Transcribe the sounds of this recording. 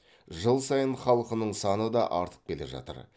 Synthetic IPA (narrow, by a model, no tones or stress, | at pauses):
ʒəlˠsɑjənχɑlˠəqənəɴsɑnəd̪ɑʔɑɾt̪ə̥q̚kʲʰe̞leʒɑ̰t̪ə̰ɾ